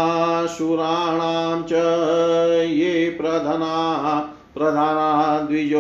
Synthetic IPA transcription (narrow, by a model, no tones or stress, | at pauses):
ʃuɾaːɳaːmt͡ʃɐ | jepɾɐd̪ʱɐnaːɦɐ | pɾɐd̪ʱaːnaːɦɐd̪ʋid͡ʒo